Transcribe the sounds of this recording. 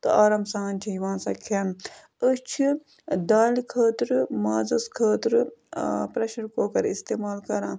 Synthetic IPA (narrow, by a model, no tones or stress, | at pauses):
t̪ɨaːɾɐmsaːnʲt͡ʃʰiiʋãːnsɐkʰɐːn | ət͡ʃʰi | d̪aːlikʰəːt̪ɾɨmaːzɐskʰəːt̪ɾɨpɾeʃɐɾkoːkɐɾist̪eːmaːlkɐɾãː